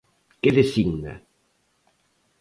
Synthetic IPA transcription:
keðesiŋna̰

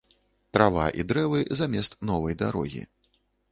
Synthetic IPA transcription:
t̪ɾava̰ʔḭd̪ɾɛvɨzamʲɛst̪nɔvɐjd̪aɾɔ̰ɣʲḭ

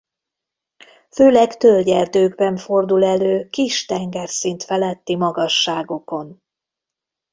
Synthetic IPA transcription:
føːlɛkt̪ølɟɛrt̪øːɡbɛɱfo̞rd̪ulɛløːkiʃt̪ɛŋɡɛrsint̪fɛlɛt̪ːimɒɡɒʃːaːɡo̞ko̞n

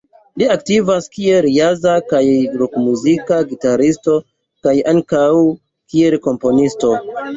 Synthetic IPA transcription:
liaktivaskieljazakajɾukmuzikaɡitaɾisto̞ | kajaŋkaw | kielko̞mpo̞nisto̞

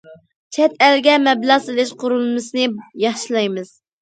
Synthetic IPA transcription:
t͡ʃʰɛt̪ælɡʲɛmɛblˠɑʁselɪʃqʰʊɾulˠmɨsɨnɨjɑχʃilˠɑjmɨz̥

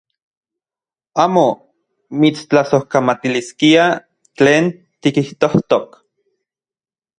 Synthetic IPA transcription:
aːmo | mit͡st͡ɬasohkamat̪iliskia | t͡ɬeːn | t̪ikiht̪oht̪ok

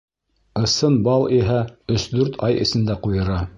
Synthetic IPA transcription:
ɤ̆sɤnbɑlˠiɦæɵsd̪ʉɾt̪ʰɑjɘ̰̆sɘ̆nd̪æqujɤ̆ɾɑ

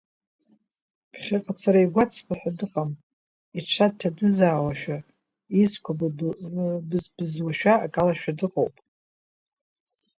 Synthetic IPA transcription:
pʰχʲaqʼat͡sʰaɾaiɡʷat͡sʰkʷʰʼaħʷᶣadɨqʼam | iʈ͡ʂʷʰad̚tʰadɨzaːwaʃᶣa | izkʷʰa | bbɨzwaʃᶣaːkʼalaʃᶣadɨqʼowpʼ

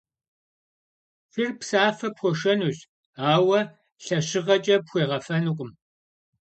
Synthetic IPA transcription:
firpsaːfɐpxʷɔʃɐnuːɕ | aːwɐ | ɬɐɕɪʁɐt͡ʃʼɐpxʷeːʁɐfɐnɨqʷʼʊm

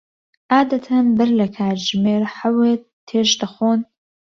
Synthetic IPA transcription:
ʔaːd̪ɐt̪ʰɐnbɨɾlɐkʰaːɾʒmeːɾħaweː | tʰːeːʃd̪ɐχʷoːn

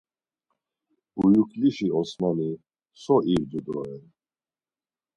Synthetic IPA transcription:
ujukliʃiɔsmami | sɔʔivd̪ud̪ɔɛn

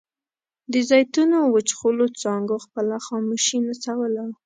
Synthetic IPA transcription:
d̪əzɑjt̪unowət͡ʃxolot͡sɑŋɡoxpəlaxɑmuʃinat͡sawəla

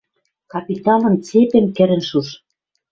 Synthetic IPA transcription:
kɑpit̪ɑnɤ̆nt͡sepĕmkɘ̆ɾɘ̆nʃuʃ

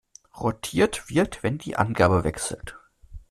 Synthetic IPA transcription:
ʁɔtʰiːɐtv̥ɪɐtv̥ɛndḭːʔa̰nɡaːbəvɛ̰ksl̩t

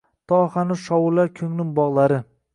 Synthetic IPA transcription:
t̪ʰɒhanɪʃɒwʊlːaɾkʰɵŋnɪŋbɒʁlˠaɾɪ

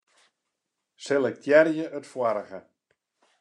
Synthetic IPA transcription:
sɛlˠɛk̚tʰjɛrjəʔətfwaɾəɣə

